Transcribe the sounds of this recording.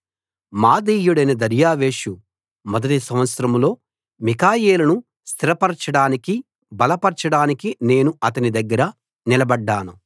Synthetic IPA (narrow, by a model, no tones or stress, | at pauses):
maːd̪iːjuɽɐjnɐd̪ɐɾjaːʋe̞ːʂu | mɔd̪ɐʈisɐmʋɐt̪sɐɾɐmlo̞ː | mikaːjeːlɐnu | st̪ʰiɾɐpɐɾɐt͡ʃɐɽaːniki | bɐlɐpɐɾt͡ʃɐɽaːnikine̞ːnuɐt̪ɐnid̪ɐɡːɐɾɐ | nilɐbɐɖːaːnu